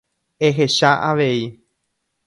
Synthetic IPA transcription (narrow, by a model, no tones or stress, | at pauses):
eɦe̞ʃaʔaʋe̞i